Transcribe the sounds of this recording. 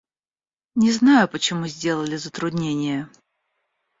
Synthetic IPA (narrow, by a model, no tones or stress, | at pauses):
nʲɪznajʊpət͡ɕɪmuzʲdʲelˠəlʲɪzət̪ɾʊd̪ʲnʲenʲɪjə